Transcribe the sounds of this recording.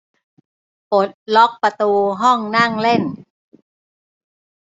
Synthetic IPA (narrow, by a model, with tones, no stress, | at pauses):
po˨˦t̪̚lɔ˦˥k̚pa˧t̪uː˧ɦɔ˥˩ŋna˥˩ŋle˥˩n